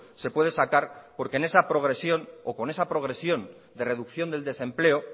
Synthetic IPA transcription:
se̞pwe̞ð̞e̞sakaɾpo̞ɾkene̞sapɾo̞ɣ̞ɾe̞sjo̞noko̞ne̞sapɾo̞ɣ̞ɾe̞sjo̞n | d̪e̞re̞ðukθjo̞nd̪e̞ld̪e̞sẽ̞mple̞o

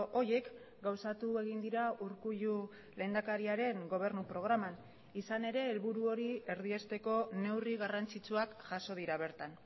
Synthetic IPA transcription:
ʔo̞je̞k | ɡawsat̪ue̞ɣ̞ind̪iɾauɾkuʎu | le̞nd̪akaɾiaɾe̞ŋɡo̞β̞e̞ɾnupɾo̞ɣ̞ɾaman | isane̞ɾe̞ːlβuɾuo̞ɾie̞ɾðie̞st̪e̞ko̞ne̞wriɣarant͡sit͡suakʝaso̞ð̞iɾaβ̞e̞ɾt̪an

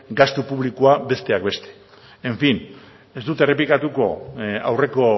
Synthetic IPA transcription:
ɡast̪upuβlikoabe̞st̪e̞akbe̞st̪e̞̥ | eɱfin | e̞zd̪ut̪e̞re̞p̬likat̪uko̞a̰wre̞ko̞

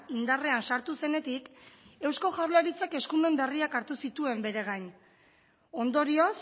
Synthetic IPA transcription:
ind̪are̞ansaɾt̪use̞ne̞t̪ike̞wsko̞ʝawɾlaɾit͡sake̞skume̞mbe̞riakaɾt̪usit̪ue̞mbe̞ɾe̞ɣ̞ajɲ | o̞nd̪o̞ɾio̞s

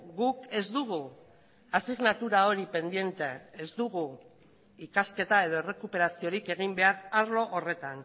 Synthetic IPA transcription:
ɡuke̞zd̪uɣ̞u | asiɣnat̪uɾao̞ɾipe̞nd̪je̞nt̪eːzd̪uɣu | ikaske̞t̪ae̞ð̞o̞ere̞kupe̞ɾasio̞ɾike̞ɣ̞imbe̞aɾaɾlo̞ʔore̞t̪an

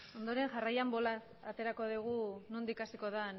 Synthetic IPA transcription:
o̞nd̪o̞ɾe̞ŋʝarajambo̞las | at̪e̞ɾako̞ð̞iɣ̞unund̪ikasiko̞ðan

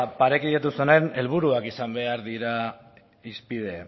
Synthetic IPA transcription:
paɾe̞kiat̪usunene̞lβ̞uɾuakisambe̞aɾðiɾa | ispið̞e̞

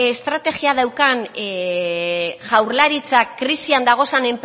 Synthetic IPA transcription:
est̪ɾat̪e̞ɣiaðawkan | ʝawɾlaɾit͡sakɾisiand̪aɣ̞o̞sane̞mp

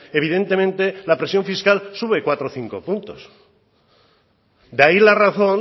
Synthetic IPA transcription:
eβ̞iðe̞nt̪e̞mẽnt̪e̞lapɾe̞sjo̞ɱfiskalsuβe̞kwat̪ɾoθiŋko̞̰punt̪os | d̪ailaraθo̞n

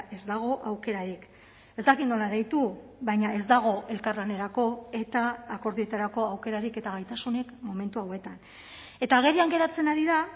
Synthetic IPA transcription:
e̞zd̪aɣ̞o̞ʔawke̞ɾaɾik | e̞zd̪akinno̞laɾejt̪uβajɲae̞zd̪aɣ̞o̞ʔe̞lkarlane̞ɾako̞e̞t̪aːko̞ɾðie̞t̪aɾako̞awke̞ɾaɾike̞t̪aɣajt̪asune̞kmo̞me̞nt̪uawe̞t̪an | e̞t̪aːɣ̞e̞ɾiaŋɡe̞ɾat͡se̞naɾiða

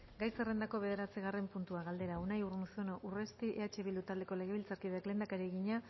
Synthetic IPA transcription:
ɡajsere̞nd̪ako̞βe̞ð̞e̞ɾat͡siɣ̞are̞mpunt̪uaɣald̪e̞ɾaunajuɾnusonoʔure̞st̪iʔeat͡ʃe̞βild̪ut̪ald̪e̞ko̞le̞ɣeβilt͡saɾkiðeakle̞nd̪akaɾieɣiɲa

